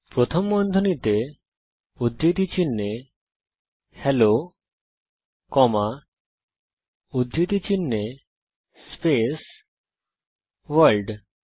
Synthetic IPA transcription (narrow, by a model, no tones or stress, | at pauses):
pɾot̪ʰomːɔnd̪ʱonit̪e | ud̪ːit̪it͡ɕinːe | helo | kɔma | ud̪ʱːit̪it͡ɕinːe | spes | ʋəlɖ